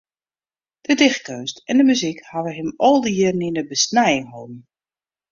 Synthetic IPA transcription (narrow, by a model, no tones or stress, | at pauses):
d̥ədɪx̚køːstɛndəmyzikhaʋəɦɪmɔlˠdəjɪrninəbəsnɛjɪŋɦoːbn̩